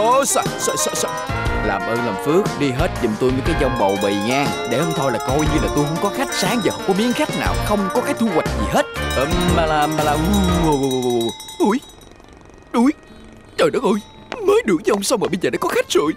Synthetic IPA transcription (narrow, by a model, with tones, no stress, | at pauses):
ʔo˨˩sa̰˧˨˩sə˧˩sɔ˧˩sə˧˩ | laː˨˩mʔəː˧nlaəː˨˩mfɨ˦˥ək̚ɗi˧ɦe˦˥t̚zʊ̰˨˩ŋ͡mt̪u˧jmə˨˦kaː˨˦jzɔ˧wŋ͡mɓə˨˩wɓə˨˩jŋaː˧ŋɗe˧˩ʔə˧wŋ͡mt̪ʰɔ˧jlaː˨˩kɔ˧jɲɨ˧laː˨˩t̪u˧jxə˧wŋ͡mkɔ˨˦xa˦˥jk̟̚saː˨˦ŋzaː˨˩ə˧wŋ͡mkɔ˨˦mi˨˦˥ənxa˦˥jk̟̚na̰ː˨˩wxə˧wŋ͡mkɔ˨˦kaː˨˦jt̪ʰu˧kwa˨˩jk̟̚zḭ˨˩ɦe˦˥t̚ʔəː˧˩maː˧laː˧aː˧laː˧u˧˨˧ | ɗu˧˩j | ɗu˨˧˦j | t͡ɕəː˨˩jɗɔ˨˦ʔu˧˩j | məː˨˦jɗɨ˨˧˩əŋ̚zə˨˦ʔə˧ŋ͡msa˧wməː˨˩ɓə˧jzəː˨˩ɗaː˧˦kɔ˨˦xa˦˥jk̚sṵ˧˨j